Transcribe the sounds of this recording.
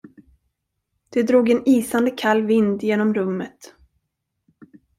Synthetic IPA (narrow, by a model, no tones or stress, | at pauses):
d̪̥ɛd̪ɾuːɡɛniːsand̪əkʰalːvɪnd̪jeːnɔmɾɵmːət̪